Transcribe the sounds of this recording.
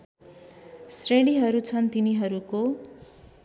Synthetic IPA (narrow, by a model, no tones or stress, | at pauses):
sreɽiɦʌɾut͡sʰʌnt̪iniɦʌɾuko